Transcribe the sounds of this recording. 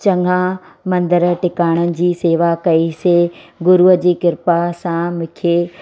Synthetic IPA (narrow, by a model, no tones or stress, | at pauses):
t͡ɕɐŋɡʱã | mɐ̃nd̪əɾʈɪkaːɽ̃ənɪ̆d͡ʑiːseːʋakɐiseɡʊɾuəd͡ʑiːkɪɾpasãmʊ̃kʰe